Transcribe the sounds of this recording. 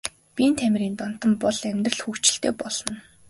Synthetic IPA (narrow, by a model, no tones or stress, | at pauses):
pʲiːnt̪ʰæmʲɾiːnt̪ɔn̥t̪ə̆mpɔɮæmʲt̪rə̆ɮxukt͡ɕɪ̆ɬt̪ḛːpɔɮɞ̆n